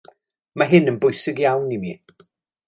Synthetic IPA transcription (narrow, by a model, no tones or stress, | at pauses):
maɦɪnənbʊjsɪɡjawnimiː